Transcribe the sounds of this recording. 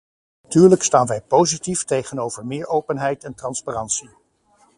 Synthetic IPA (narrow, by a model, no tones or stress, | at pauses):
atyːɹləkstaːnʋɛjpowzitiftejχənowv̥əɹmɪːɹowpənɦɛjtɛntrɑnsparɑntsi